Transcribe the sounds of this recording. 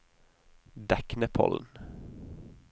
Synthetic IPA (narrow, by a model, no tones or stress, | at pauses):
d̪ɛknəpʰɔ̰ln̩